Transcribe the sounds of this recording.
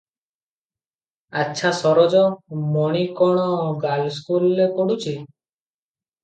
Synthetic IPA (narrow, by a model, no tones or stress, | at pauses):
aʃʰasɔɾɔd͡ʒɔmɔɽ̃ikɔɽ̃ɔɡalskulːekɔɽut͡ʃʰi